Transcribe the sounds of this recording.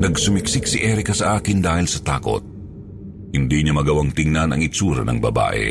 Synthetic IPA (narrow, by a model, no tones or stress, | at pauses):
nɐɡsʊmɪksɪk̚siʔɛɾɪkɐsɐʔaːkɪnd̪aːhɪlsɐt̪aːko̰t̪̚ | hɪnd̪iɲɐmɐɡɐwaŋt̪ɪŋnɐnɐ̰ŋɪt͡ʃuːɾɐ̰nɐŋbɐba̰ːʔɛ̰